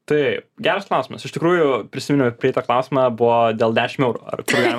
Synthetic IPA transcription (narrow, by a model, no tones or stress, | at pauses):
t̪ɐɪɡʲæːɾɐsklˠɑˑʊsʲɪmɐsɪʃt̪ʲɪkɾuːjʊpʲɾʲɪsʲɪmʲɪnʊpʲɾʲɪɪt̪ɐklˠɑˑʊsʲɪmɐbʊʋɔd̪ʲeːlˠd̪ʲæːʃʲɪmɛʊɾṵːɐ̰rpoɡʲ